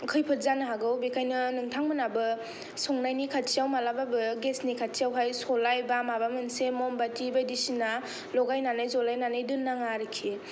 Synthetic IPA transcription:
kʰɯjpʰɯt̚zanɯɦaɡɯwbekʰajnɯnɯŋtʰaŋmɯnabɯ | sɔŋnajnikʰatsijawmalababɯɡesnikʰatsijawɦajsɔlajbamabamɯnsemɔmbatibajdisina | lɔɡajnanɯjzɔlajnanɯjdɯnːaŋaɾɯkʰi

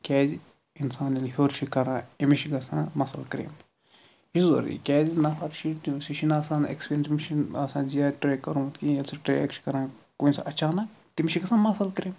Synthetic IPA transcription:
kʲɛːzi | insaːnilɦʲoːɾʃikɐɾãːimiʃiɡɐsã̰ːmɐsɐ̰lkɾḛːm | hizo̰ɾḭkʲɛːzinɐɦɐɾʃit̪isiʃinaːsaːnḛkspʲiɾʲensmiʃinaːsãːzijaːʈɾeːkɐɾũːt̪kĩjɐlsʰiʈɾejḛkt͡ʃʰi̥kɐɾãː | koinsʔɐt͡ʃaːnɐ | t̪imiʃiɡɐsãːmɐsɐlkɾeːm

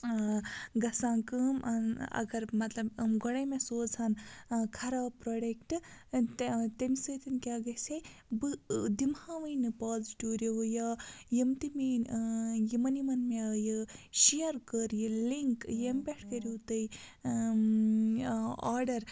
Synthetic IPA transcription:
ɡɐsãːkɨmɐnɐ̰ɡɐɾmɐt̪lɐbɡoɽɐmẽsoːd͡zʱaːnkʰɐɾaːpɾoːɖekʈɨ | t̪ɐnisɨːt̪ɐnkʲaːɡɐsʲebɨd̪imhãːʋɐjnɨpaːzʈuːɾʲiwjaːjimt̪iminjimɐnjimɐnmejɨʃijɐɾkəɾjɨliŋkjembʲeʈʰkɐɾʲiwt̪ɐi | a̰ːɾɖɐɾ

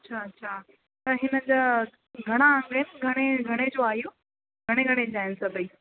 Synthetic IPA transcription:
ɐtːɕʰaɐtːɕʰaː | t̪ɐɦɪnəd͡ʑa | ɡʱɐɽ̃aə̃ŋɡənɪɡʱɐɽ̃eɡʱɐɽ̃ed͡ʑoaːɦijoː | ɡʱɐɽ̃eɡʱɐɽ̃ed͡ʑaːɦɪnsɐbʱiː

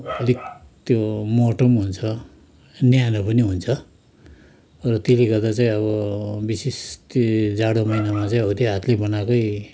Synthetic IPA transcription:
ʌlikt̪jomoʈʌmɦunt͡sʰʌ | njanʌpʌniɦunt͡sʰʌ | rʌt̪eliɡʌd̪at͡saĩʌβʌbisist̪d͡zaɽomʌjnamat͡saĩʌut̪eɦat̪ʰlebʌnakʌj

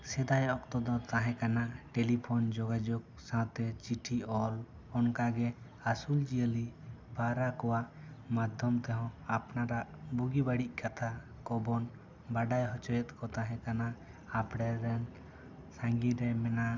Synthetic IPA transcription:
sɛd̪ajɔkt̪ɔd̪ɔt̪ãɦɛ̃kanaʈɛlipʰɔnd͡ʒɔɡad͡ʒɔk̚ | sãt̪ɛt͡ʃiʈʰiɔl | ɔnkaɡɛ | asuld͡ʒijəlibaɾakɔwaʔ | mad̪ʱɔmt̪ɛɦɔ̃apnaɾaʔbuɡibaɽiʔ̚kʰat̪ʰa | kɔbɔn | baɖajɦɔt͡ʃɔjɛt̪̚ˀkɔt̪ãɦɛ̃kanaː | pɽɛɾɛn | sãŋɡiɾɛmɛnaʔ

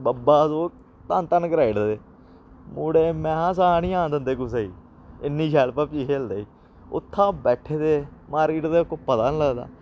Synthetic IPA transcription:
bəbaːzoː | t̪ənt̪ənkəɾaːiɽd̪eː | muːɽeːmɛ̃ːãs̬aːnĩːãːnd̪ənd̪eːkʊs̬eːḭː | ɪnːĩːʃɛːlpəːpiːkeːld̪aːiː | ʊ̰t̪ʰːãːbɛːʈʰːeːd̪eːmaːɾiːʈd̪eːʊkːopət̪aːnləɡd̪a̰ː

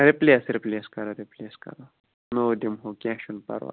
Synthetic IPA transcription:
ɾipleːsɾipleːskɐɾoɾipleːskɐ̰ɾo | nod̪imɦokʲãːʃunpɐ̰ɾʋa̰

